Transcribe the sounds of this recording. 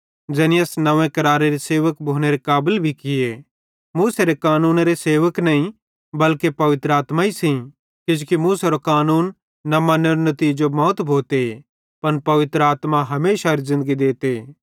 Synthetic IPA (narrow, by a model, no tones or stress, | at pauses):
d͡ʒɛːniɐsnɐʋẽkɐɾaːɾeɾiseːʋəkbʱoːneɾekaːbəlbʱikɪje | muːseɾekaːnuːnɾeseːʋəknɐĩ | bɐlkepɐʋɪt̪ɾəaːt̪maisĩ | kɪd͡ʒokimuːseɾokaːnuːnː | ɐmɐnːeɾonɐt̪iːd͡ʒomɔːt̪bʱoːt̪e | pɐnpɐʋɪt̪ɾəaːt̪maɦɐmeːʃaɾizɪ̃nd̪əɡid̪eːt̪e